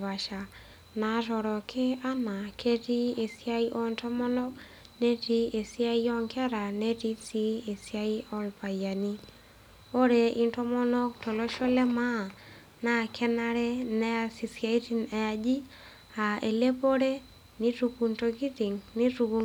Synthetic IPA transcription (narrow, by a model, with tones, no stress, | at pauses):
ba˨ʃa˨ | na˨ɾɔ˨ɾɔ˨kɪ˦a˦na˨kʰe˦ti˦e˨sia˦i˦ʔɔ˦ntɔ˦mɔ˦nɔ˦k | ne˦ti˦e˨si˦a˦i˦ɔ˦ŋkɛ˦ɾa˨ne˦ti˦si˦e˨sja˦i˦ɔ˦lpa˨ja˨ni˦ | o˦ɾe˨i˦ntɔ˦mɔ˦nɔ˦k̚tɔ˨lo˦ʃɔ˦lɛ˦ma˦˨ | na˦˨kʰɛ˦na˦ɾɛ˦nɛ˦a˨si˨sia˦i˦ti˦nɛ˨a˨d͡ʒi˦ | a˨e˨le˦po˦ɾe˦ | ni˦ɾu˧ku˨nto˧ɡi˦ti˨ŋnɪ˦tu˧ku˨